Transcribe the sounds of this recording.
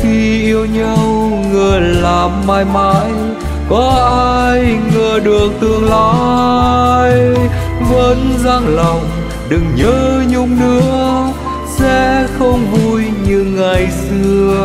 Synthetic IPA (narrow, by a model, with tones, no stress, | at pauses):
xi˧ʔi˧əwɲa˧w | ŋəː˨˩laː˨˩mːaː˧˩jmaː˧˥j | kɔ˨˦ʔaː˧jŋəː˨˩ɗɨ˨˩ək̚t̪ɨ˨˩əŋlaː˧˨˦ | j | və˧˦˥nzaː˧ŋlɔ˨˩wŋ͡m | ɗɨ˨˩ŋɲəː˧˦ɲʊ˧ŋ͡mnɨ̰˧˥ə | sɛ̰˧˥xə˧wŋ͡mvu˧jɲɨ˧ŋa˨˩jsɨ˧əə